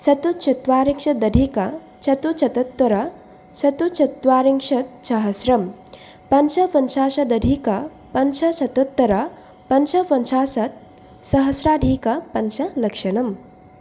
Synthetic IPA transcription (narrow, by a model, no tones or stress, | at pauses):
sɐt̪ut͡ʃʰɐt̪ʋaːɾiŋʃɐd̪ɐɖʱikɐ | t͡ʃʰɐt̪ut͡ʃʰɐt̪ɐt̪wɐɾɐ | sɐt̪ut͡ʃʰɐt̪ʋaːɾiŋʂɐt̪̚sɐɦɐsɾɐm | pɐnʃɐʋɐnsaːʃɐd̪ɐɖʱikɐ | pɐnsɐsɐt̪ɐt̪ːɐɾɐ | pɐnsɐʋɐnsaːsɐt̪̚ | sɐɦɐsɾaːɖʱiːkɐpɐnsɐlɐkʂɐnɐm